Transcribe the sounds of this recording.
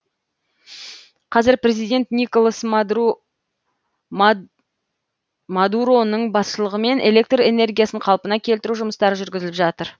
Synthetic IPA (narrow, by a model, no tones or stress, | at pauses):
qʰɑzɪɾpre̞zijd̪ʲe̞nt̪nijkolˠas | mad̪uɾo̞nːəɴbɑsʃəlˠəʁəme̞nʔe̞le̞k̚t̪re̞ne̞ɾɡʲijasəɴqʰɑlˠpənɑkʲʰelt̪ɪɾuʒʊməst̪ɑɾəʒʏɾɡʲɪzɪlɪpʒɑt̪əɾ